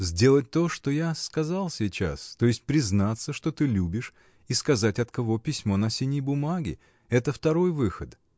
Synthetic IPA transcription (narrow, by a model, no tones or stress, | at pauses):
zʲdʲe̞lˠət̚ʲt̪o̞ʂt̪o̞jaskɐzalˠsʲit͡ɕa̰st̪o̞ɪsʲt̚ʲpɾʲɪznat̪səʂt̪o̞t̪ɨlʲubʲɪʂ | iskɐzatʲɐt̪kɐvo̞pʲɪsʲmo̞nɐsʲinʲəjbʊmaɡʲɪ̰ | ɛt̪əft̪ɐɾo̞jvɨxət̪